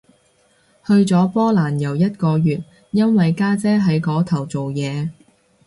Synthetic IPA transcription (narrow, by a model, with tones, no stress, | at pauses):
hɵ˧ɥt͡sɔː˨˥pɔː˥laː˨˩njɐ˨˩wjɐ˥t̚kɔː˧jyː˨t̚ | jɐ˥nwɐ˨jkaː˥t͡sɛː˥ɦɐ˨˥jkɔː˨˥t̪ʰɐ˨˩wt͡so˨wjɛː˨˧